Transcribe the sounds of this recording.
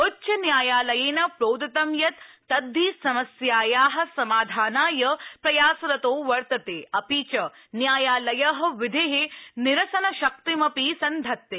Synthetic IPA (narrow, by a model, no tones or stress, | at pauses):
utːʃɐnjaːjaːlɐjeːnɐpɾoːd̪ɐt̪ɐmjɐt̪ː | ɐd̪ʱːiːsɐmɐsjaːjaːɦɐ̆sɐmaːd̪ʱaːnaːjɐpɾɐjaːsɐɾɐt̪oːʋɐɾt̪ɐt̪eːɐpiːt͡ʃɐ | njaːjaːlɐjɐɦɐ̆ʋɪd̪ʱeɦenɪɾɐsɐnɐʃɐk̚t̪imɐpiːsɐnd̪ʱɐt̪ːe